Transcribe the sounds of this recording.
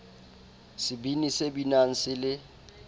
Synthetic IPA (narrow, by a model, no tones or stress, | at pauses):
sɪbinisebinaŋ̩sɪlɪ